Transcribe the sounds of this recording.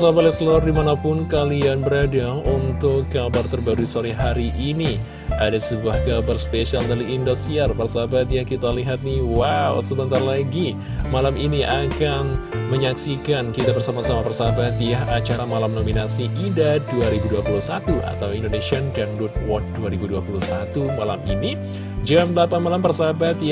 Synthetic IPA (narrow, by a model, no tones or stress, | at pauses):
sabat̪ɛslardimanapʊnkalianbəɾadaunt̪ʊkɡabart̪ərbaɾusoɾiɦaɾiʔːni | adasəbuahɡabarspesialdaɾiindost̪iarpərsabat̪jahkit̪aliɦat̪̚niwawsəbənt̪arlaɡi | malaminiʔakanməɲaksikankit̪abərsamasamapərsabat̪jaɦat͡ʃaɾamalamnominasiʔidaduaɾibuduapuluhsat̪uʔa̰t̪awindonesiɔnɡaŋdut̪̚wɔt̪̚duaɾibuduapuluhsat̪umalamini | d͡ʒamdlapanmalampərsabat̪ja